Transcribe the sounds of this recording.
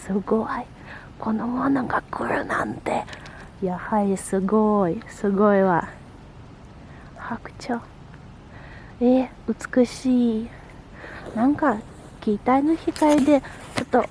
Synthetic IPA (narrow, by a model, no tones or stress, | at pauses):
sɨɡoi | kʰo̞nomonaŋɡakʰɯɾɯ̰nã̰nt̪e̞ | jahaɾʲisɨɡoisɨɡo̞iβa | hakɯ̟̥t͡ɕo | e | ɯ̟t͡sɨ̥kɯ̟ɕiː | nãŋka | kʲiːt̪ainoçik̪aid̪e̞t͡ɕo̞t̪ːo